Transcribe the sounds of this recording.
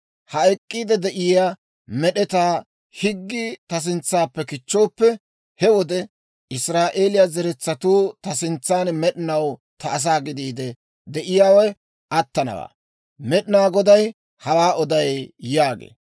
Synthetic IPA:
hɐɛkʼːiːd̪ɛd̪ɛʔɪjaː | mɛɗɛt̪aː | hɪɡːɪt̪ɐs̬ɪnt͡sːaːpːɛkɪt͡ʃːo̞ːpːɛ | hɛwɔd̪ɛ | ʔɪsɾaːʔe̞ːlɪjazɛɾɛt͡sːɐt̪uːt̪ɐsɪnt͡sːaːnmɛɗɪnɐwt̪ɐːs̬aːɡɪd̪iːd̪ɛ | d̪ɛʔɪjaːwɔj | ɐt̪ːɐnɐ̰wa̰ː | mɛɗɪnaːɡɔd̪ɐj | hɐwaːʔɔd̪ɐjjaːɡḛː

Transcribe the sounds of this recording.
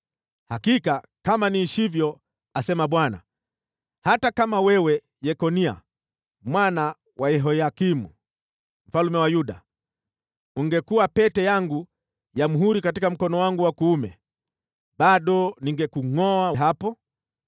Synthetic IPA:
hakika | kamaniːʃivjɔ | asɛmaɓwana̰ | hatakamawɛwɛ | jɛkɔnia̰ | mwana | waɛɦɔjakimu | m̩falumɛwajuɗa | uŋɡɛkuapɛtɛjaŋɡu | jam̩ɦuɾikatikam̩kɔnɔwaŋɡuwakuːmɛ | ɓaɗɔniŋɡɛkuŋɔaɦapɔ

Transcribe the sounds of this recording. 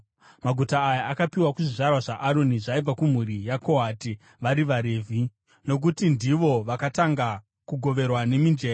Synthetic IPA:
maɡʱutaːjaakapiwakuʐiʐarwaʐaʔaɾoniʐaib͡vakum̤uɾijako̞ɦati | ʋaɾiʋaɾe̞ːvʱi | no̞k̬utindiʋo̞ʋakataŋɡa | kuɡʱo̞ʋe̞rwane̞mind͡ʒeːr

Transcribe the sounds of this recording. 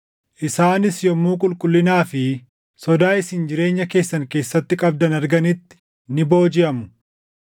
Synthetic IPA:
ʔɪsaːnɪsjɔmːuːkʼʊlkʼʊlːɪnaːfɪ | sɔd̪aːɪsɪnd͡ʒɪɾe̞ːɲːɐke̞ːsːɐŋke̞ːsːɐt̪ːɪkʼɐb̚d̪ɐnɐɾɡɐnɪt̪ːɪ̥ | nɪbo̞ːd͡ʒɪʔɐmʊ̥

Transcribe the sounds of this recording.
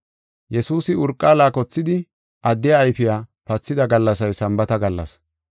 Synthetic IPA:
jɛsuːsɪʊɾkʼːaːlaːkɔt͡sːɪd̪ɪ | ʔɐd̪ːɪjaːjfɪjaːpɐt͡sːɪd̪ɐɡɐlːɐs̬ɐjsɐmbɐt̪ɐɡɐlːɐ̰s

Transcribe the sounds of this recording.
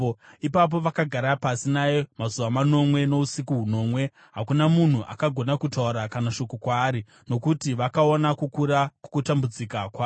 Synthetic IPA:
ipap̬o̞ʋakaɡʱaɾapasinajomazuʋamano̞mwe̞no̞usikuɦuno̞ːmwe̞ | ɦakunamun̤uʔa̰kaɡʱo̞nakutauɾakanaʃo̞kokwaːɾi | no̞kutiʋakao̞nakukuɾaku̥kutambud͡zikakwaː

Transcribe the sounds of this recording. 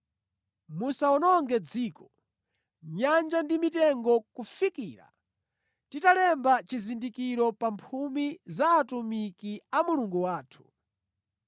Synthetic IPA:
musaɔnɔŋɡɛd͡ziːkɔ̥ | ɲand͡ʒandimitɛŋɡɔkufikiːɾa̰ | titalɛmbat͡ʃizindikiɾɔpampʰumizaːtumikiamuluŋɡuwaːtʰu̥

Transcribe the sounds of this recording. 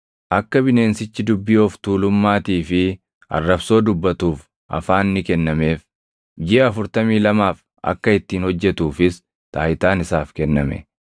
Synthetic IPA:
ʔɐkːɐbɪne̞ːnsɪt͡ʃːɪd̪ʊbːiɔft̪uːlʊmːaːt̪iːfɪ | ɐ̰rːɐbso̞ːd̪ʊbːɐt̪uːf | ʔɐ̰faːnːɪkɛnːɐme̞ːf | d͡ʒɪʔɛɐfʊɾt̪ɐmiːlɐmaːf | ʔɐ̰kːɐɪt̪ːiːnhɔd͡ʒːɛt̪uːfɪs | t̪aːjɪt̪aːnɪsaːfkɛnːɐ̰mɛ̰

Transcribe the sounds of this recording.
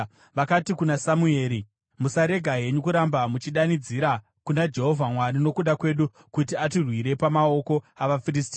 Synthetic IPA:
ʋakatikunasamue̞ːɾi | musaɾe̞ɡʱaɦe̞ɲukuɾambamut͡ʃiɗanid͡ziɾa | kunad͡ʒe̞ɦo̞vʱamwaɾino̞kuɗakwe̞ɗu | kutiatirwiɾe̞pamao̞ko̞aʋafiristi̥

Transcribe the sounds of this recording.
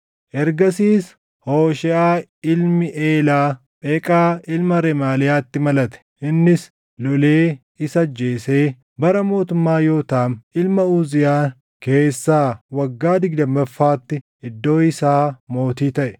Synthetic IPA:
ʔɛɾɡɐsiːs | hoːʃɪaːɪlmɪʔeːlaː | pʼeːkʼaːɪlmɐɾɛmaːlɪjaːt̪ːɪmɐlɐt̪ɛ̥ʔɪnːɪs | lɔleː | ɪsɐd͡ʒːe̞ːse̞ː | bɐɾɐmo̞ːt̪ʊmːaːjo̞ːt̪aːmɪlmɐuːzɪjaː | ke̞ːsːaːwɐɡːaːd̪ɪɡd̪ɐmbɐfːaːt̪ːɪ | ɪd̪ːo̞ːɪsaːmo̞ːt̪iːt̪ɐʔɛ̥

